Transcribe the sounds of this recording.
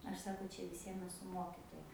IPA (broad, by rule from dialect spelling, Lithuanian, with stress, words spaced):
ˈɐʃ ˈsɑːkoː ˈt͡ʃʲɛ ʋʲɪˈsʲiɛm ɛˈsʊ ˈmoːkʲɪtoːjɛ